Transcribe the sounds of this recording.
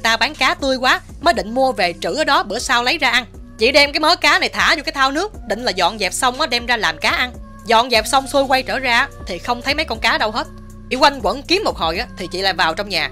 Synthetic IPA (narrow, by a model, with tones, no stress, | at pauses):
t̪aː˧ɓaː˨˦nkaː˨˦t̪ɨ˧əjkwaː˨˦ | məː˨˦jɗḭ̈˧˨ŋ̟mu˧əve˨˩t͡ɕɨ̰˧˩ʔəː˨˩ɗɔ˨˦ɓɨ˧˩əsaː˧wlə˨˦jzaː˧ʔa˧n | t͡ɕḭ˧˩ɗɛ˧mkaː˨˦jməː˨˦kaː˨˦na˨˩jt̪ʰa̰ː˧˩zu˧˩kaː˨˦jt̪ʰaː˧wnɨ˦˥ək̚ɗï˧˨ŋ̟laː˨˩zɔ̰˧˨nzɛ˨˩p̚sə˧wŋ͡mʔɔː˨˦ɗɛ˧mzaː˧laː˨˩mkaː˨˦ʔa˧n | zɔ̰˧˨nzɛ˨˩p̚sə˧wŋ͡msu˧jkwa˧jt͡ɕəː˧˩zaː˧˦t̪ʰi˨˩xə˧wŋ͡mt̪ʰə˨˦jma˨˦jkɔ˧nkaː˨˦ɗə˧wɦe˦˥t̚ | ʔi˧˩wa˧jŋ̟kwə̰˧˥nki˨˦əmːo˨˩t̚ho˨˩jʔaː˨˦t̪ʰi˨˩t͡ɕḭ˧˨la̰ː˨jvaː˨˩wt͡ɕɔ˧wŋ͡mɲaː˨˩